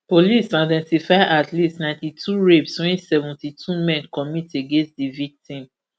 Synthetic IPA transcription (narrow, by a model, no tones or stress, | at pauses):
polisãdɛ̃ntifaɪʔatlistnãɪ̃ntitʰuɹebswĩsɛvũntitʰumɛ̃nkɔmiteɡẽnstdivik̚tĩm